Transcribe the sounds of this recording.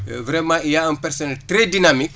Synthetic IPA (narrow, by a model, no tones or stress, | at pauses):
vɾɛmãijaənpɛɾsɔnɛltɾɛdinamik̚